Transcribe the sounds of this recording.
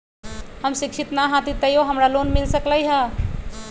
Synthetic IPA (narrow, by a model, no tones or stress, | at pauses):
həmsiksʰit̪naɦat̪it̪əjoɦəmɾalonmilsəkləjɦə